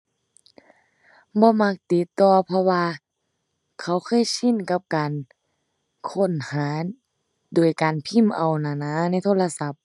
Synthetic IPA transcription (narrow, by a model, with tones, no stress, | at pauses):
bɔː˧˦ma˧˥k̚t̪i˧˦t̪ːɔː˧pʰɔ˧waː˧ | kʰa˧˩wkʰɤː˧˥˨jsi˧˥˨nka˧˦p̚kaː˨n | kʰo˧˥˨nhaː˨˦ | duː˨˩jkaː˨npʰi˧˥˨mʔa˨˩wnaː˧˨naː˧˥na˧˥˨jt̪ʰoː˧˥˨la˧sa˧˦p̚